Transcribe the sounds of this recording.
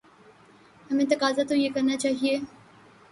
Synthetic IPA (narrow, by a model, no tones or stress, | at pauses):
hɐmẽt̪ɐkaːzat̪ojekɐɾnat͡ʃaːɦieː